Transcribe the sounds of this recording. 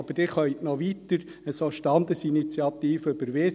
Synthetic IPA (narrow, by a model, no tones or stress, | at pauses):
ɑb̥əɾdɪɾχœʏt̪nɔʋit̪əɾəsoʃtɑnd̪əsinit͡sjɑt̪iːføb̥əɾʋe